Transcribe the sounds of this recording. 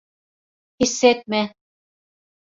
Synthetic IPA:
hisːet̪̚mæn

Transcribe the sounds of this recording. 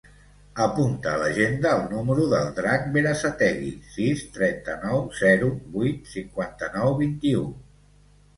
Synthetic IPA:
əpunt̪əːləʒend̪əːlˠnuməɾuðəlˠd̪ɾak̚beɾasat̪ɛɣḭsist̪ɾɛnt̪ənɔwzɛɾuβujt̪siŋkwant̪ənɔwβint̪iu

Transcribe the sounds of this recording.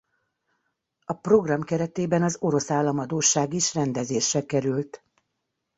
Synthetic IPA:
ɒpro̞ɡrɒmkɛɾɛt̪eːbɛnɒzo̞ɾo̞saːlːɒmɒd̪oːʃːaːɡiʃrɛnd̪ɛzeːʃrɛkɛɾylt̪

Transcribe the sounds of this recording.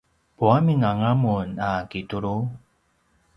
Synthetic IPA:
puamiŋaŋamunakituɾu

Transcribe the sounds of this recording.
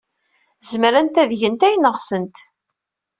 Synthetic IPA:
zmɾænt̪æðʝənt̪æjənəʁsənt̪

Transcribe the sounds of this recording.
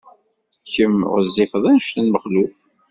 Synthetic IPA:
çəmʁəzːifəðˤænʃt̪ənməχluf

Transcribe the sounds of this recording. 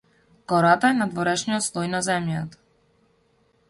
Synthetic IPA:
kɔɾat̪aɛnad̪vɔɾɛʃnijɔt̪slˠɔjnazɛmjat̪ḁ

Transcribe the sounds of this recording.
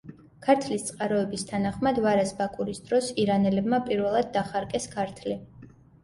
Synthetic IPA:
kʰaɾt̪ʰlist̪sʼqʼaɾɔɛbist̪ʰanaχmad̪vaɾɛsbakʼuɾisd̪ɾɔsiɾanɛlɛbmapʼiɾvɛlˠad̪̚ːaχaɾkʼɛskʰaɾt̪ʰli

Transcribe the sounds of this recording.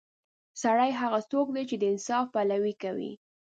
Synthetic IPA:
saɽajɦaɣasokd̪et͡ʃed̪əɪnsɑfpalawikawḭ

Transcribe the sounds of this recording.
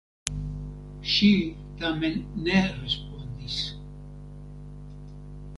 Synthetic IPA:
ʃi | t̪amenːerespond̪is

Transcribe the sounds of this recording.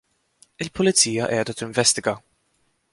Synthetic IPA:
ɪlpʊlɪt͡siːjɐ̰ʔɛːd̪ɐt̪ɪɱvɛst̪ɪɡɐ

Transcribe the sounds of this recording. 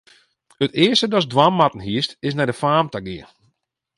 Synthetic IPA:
ətɪəstədɔsdwammatən̩hiəstɪs̬nɛdəfaːmtaɡɪə

